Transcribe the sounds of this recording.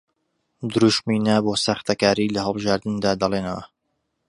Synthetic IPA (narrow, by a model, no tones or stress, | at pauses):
d̪ɨɾuʃminɐboːsɐxt̪ɐkaːɾiːlɐɦəlˠbɨʒaːɾd̪ɨnd̪aːd̪ɐlˠenɐwɐ̰